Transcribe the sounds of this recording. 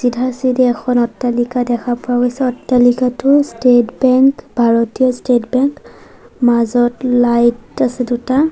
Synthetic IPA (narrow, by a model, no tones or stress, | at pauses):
sidʱasidɛɛkʰɔnɔtːalikadɛkʰapɔwaɡojsɛɔtːalikatʊstetbɛŋkbʱaɹɔtijɔstetbɛŋk | mazɔtlajtasɛduta